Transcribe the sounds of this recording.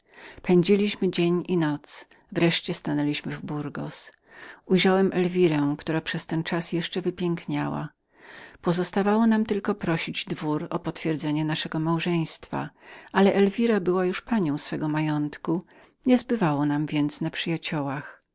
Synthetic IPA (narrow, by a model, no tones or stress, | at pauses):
pɛɲd͡ʑilʲiɕmɘd͡ʑeɲinɔt̪s | vɾɛʂt͡ɕɛst̪anɛlʲiɕmɘvbuɾɡɔ̰s | ujʐawɛmʔɛlvʲiɾɛwkt̪uɾapʂɛst̪ɛnt͡ʂasjɛʂt͡ʂɛvɘpʲjɛŋkɲawa̰ | pɔzɔst̪avawɔnamt̪ɘlkɔpɾɔɕid͡ʑd̪vuɾɔpɔt̪fʲjɛɾd̪zɛɲɛnaʂɛɡɔmawʐɛj̃st̪fa̰alɛʔɛlvʲiɾabɘwajuʂpaɲɔ̃w̃sfɛɡɔmajɔnt̪ku | ɲɛzbɘvawɔnamvʲjɛnt̪snapʂɘjat͡ɕɔwax